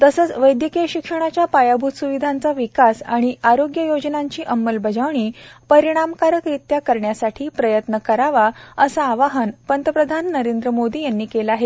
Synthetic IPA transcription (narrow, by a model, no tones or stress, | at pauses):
t̪əsəːt͡sʋəjd̪jəkeɕikʂəɽ̃at͡ɕjapajabʱut̪suʋid̪ʱant͡saʋikasaɽ̃iʔaɾoɡjəjod͡ʑnãɲt͡ɕiːʔəmːəlbʱəd͡ʑaʋɳ̃iːpəɾiɽ̃amkaɾəkɾit̪jakəɾɳjasaʈʰiːpɾəjət̪nəkəɾaʋaəsaːʋaɦənpənt̪əpɾəd̪ʱanːəɾend̪ɾəmod̪iːjanːiːkelaɦet̪